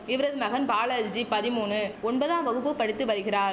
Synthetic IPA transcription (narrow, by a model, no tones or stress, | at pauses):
ɪʋɐɾɐðɯmɐɣɐnpaːlɐd͡ʒd͡ʒipɐðɪmuːnɯɔnbɐðãːʋɐɣɯpːɯpːɐɽɪt̪ːɯʋɐɾɯɣɪɾaːɾ